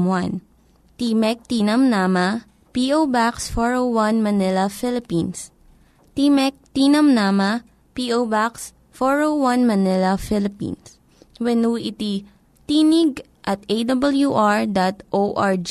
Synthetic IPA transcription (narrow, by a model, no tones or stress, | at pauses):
mwan | t̪imɛk̚t̪inɐmnamɐ | piːʔowbaksfɔɹowwɐnmɐnɪlɐfɪlɪpĩns | t̪imɛk̚t̪inɐmnamɐ | piʔowbaks | fɔɹowwɐnmɐnɪlɐfɪlɪpḭns | wɛnuːʔɪt̪i | t̪iːnɪɡ̚ | ʔɐt̪̚ejd̪ɐbɐljuʔaɹd̪at̪ʔoʔaɹd͡ʒ